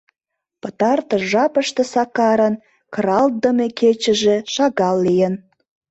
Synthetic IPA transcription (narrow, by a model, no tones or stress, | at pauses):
pət̪ɑrt̪əʒɑpəʃt̪ĕsɑkɑɾən | kɾɑlt̪̚d̪əmekʰet͡ɕə̆ʒeʃɑɣɑlːijən